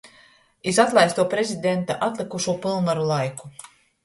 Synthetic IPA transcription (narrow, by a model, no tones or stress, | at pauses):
izat̪lˠajst̪uɔpɾezʲid̪ʲɛnt̪aʔat̪lʲˠikuʃuɔpilˠvaɾulˠajku̥